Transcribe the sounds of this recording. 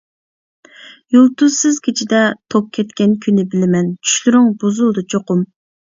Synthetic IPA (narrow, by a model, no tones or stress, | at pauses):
julˠt̪uzsɨzkʲʰet͡ʃʰid̪ɛt̪ʰop̚kʲʰːɛt̪kʲɛnkʲʰynːɪbɪlɪmɛnt͡ʃʰy̥ʃlyɾyŋbozulˠd̪ɑt͡ʃʰoqʊm